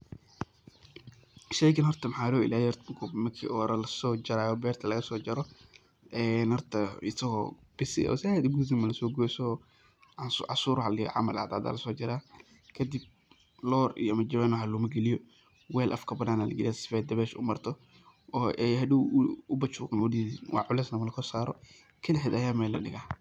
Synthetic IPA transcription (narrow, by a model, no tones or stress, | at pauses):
ʃɛjkʰɐnhɔrt̪ʰɐmħaːlɔɪ̰laːjɛɾt̪kʰʊmɐkʰḭʔɔːɾɐlɐsɔːd͡ʒɐɾaːjɔbɛːrt̪ʰɐlɐɣɐsɔːd͡ʒɐɾɔ | ʔɛːnhɔrt̪ʰɐɪsɐɣɔb̥ɪsɪ̰ɔ̰sɪaːd̪ʊɡuːdɪmɐlɐsɔːɡɔsɔ | sʕɑsuːɾħalɪ̰ʕa̰mɐlʔa̰ʕd̪a̰ːd̪a̰ːlɐsɔːd͡ʒɐɾaː | kʰɐd̪ɪb̚ | lɔːrḭjɔmɐd͡ʒɐwɛːnɔħalumɐɡɛlɪjɔ | wɛːlʔɐ̰fkʰɐbɐnaːnaːlɐ̰ɡɪlaːsɪ̥fɛːd̪ɐβɛːʃʊ̰mɐrt̪ʰɔ | ʔɔːʔɛjɦɐɗɪʊbɐt͡ʃuːɣɐnwʊiːwɑ̰ʕʊlɛːsnɐmɐlɐsɔsaːɾɔ̰ | kʰɐlɛħɛːd̪ɐjaːmɛːlːɐ̰ɗɪ̰ɣaː